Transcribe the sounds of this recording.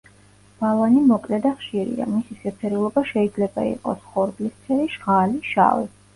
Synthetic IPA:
b̥alˠanimɔkʼlɛd̪aχʃiɾḭa̰misisɛp̪sʰɛɾulˠɔbaʃɛid̪zlɛbaḭqʼɔ̰sχɔɾɡlist̪sʰɛɾiʒʁaliʃa̰vḭ

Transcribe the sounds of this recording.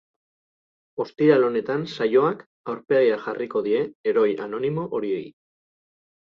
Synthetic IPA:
o̞st̪iɾalo̞ne̞t̪ansajo̞ak | awɾpe̞ɣiaʝarʔiko̞ðie̞ːɾo̞ja̰no̞nimo̞ʔoɾiej

